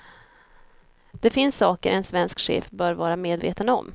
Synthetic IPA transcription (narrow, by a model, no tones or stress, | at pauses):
d̪̥ɛfɪnsːɑːkəɾʔɛnsvɛnskɧḛːfbœːɾvɑːɾameːd̪vḛːt̪ənɔ̰m